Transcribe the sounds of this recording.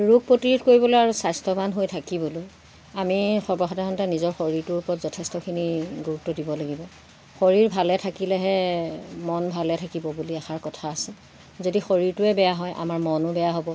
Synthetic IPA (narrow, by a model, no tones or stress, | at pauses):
ɹuk̚potiɹitʰkoɹibɔlojaɹusajstɔbanɦojtʰakibɔloj | amixɔbɹɔxɔdaɦɔntanizɔɹxoɹiɹtʊɹupɔtzɔtʰɛstɔkʰiniɡuɹutːɔdibɔlaɡibɔ | xoɹiɹbʱalɛtʰakilɛɦɛmɔnbʱalɛtʰakibɔbuliɛxaɹkɔtʰaːsɛ | zodixoɹiɹtʊɛbɛjaɦɔjʔa̰maɹmɔnʊbɛjaɦobɔ